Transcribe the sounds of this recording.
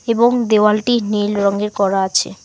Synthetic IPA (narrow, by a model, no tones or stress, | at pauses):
eboŋd̪ewalʈinilɾɔŋɡeɾkɔɾaat͡ɕʰḛ